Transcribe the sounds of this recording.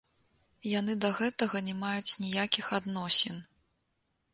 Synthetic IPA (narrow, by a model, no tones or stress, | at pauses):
janɨd̪ɐɣɛt̪ɐɣɐnʲɛmajut͡sʲnʲijakʲixad̪nɔsʲɛn